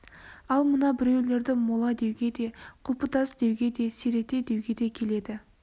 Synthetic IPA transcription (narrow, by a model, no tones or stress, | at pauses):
ɑlˠmənɑbɪɾe̞wle̞ɾd̪ɪmolˠɑd̪e̞wɡʲe̞d̪e̞qʰʊlˠpət̪ɑsd̪e̞wɡʲe̞d̪e̞seɾe̞t̪e̞d̪e̞wɡʲe̞d̪e̞kʲʰe̞le̞d̪ɪ